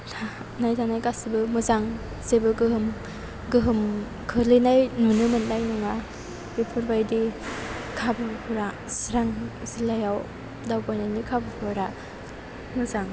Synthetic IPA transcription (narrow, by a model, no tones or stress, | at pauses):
tʰa | najtʰanajkasibɯmɯzaŋ | sebɯɡɯɦɯm | ɡɯɦɯm | kʰɯlinajnunɯmɯnnajnuŋa | epʰɯɾbajdi | kʰabɯpʰuɾa | siɾaŋsilajaw | dawpajnajnikʰabɯpʰɯɾa | mɯzaŋ